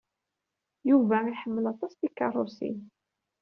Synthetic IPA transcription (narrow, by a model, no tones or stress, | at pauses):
juvæiħəmːəlɑt̪ˤɑsˤd̪ikːɑ̰rˤosḭn